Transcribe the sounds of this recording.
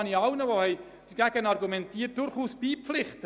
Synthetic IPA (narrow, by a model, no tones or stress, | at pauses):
niɑwnəʋohɛj | d̥əɡ̥æɡənɑrɡumɛntiːət̚d̥ʊɾχuːsb̥iːpflɪχt